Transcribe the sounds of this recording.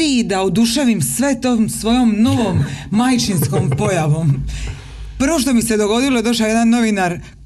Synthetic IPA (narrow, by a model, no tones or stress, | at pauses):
id̪aud̪uʃeʋimsʋe̞t̪oːmsʋo̞jo̞mno̞ʋomːajt͡ʃinskompo̞jaʋo̞m | pr̩ʋo̞ʃ̬t̪o̞mise̞d̪o̞ɡo̞d̪ilo̞ed̪o̞ʃajed̪anːo̞ʋinaɾ